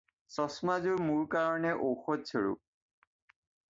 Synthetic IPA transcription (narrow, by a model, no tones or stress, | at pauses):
sɔsmazʊɹmuɹkaɹɔnɛʔowxɔsʰɔɹṵ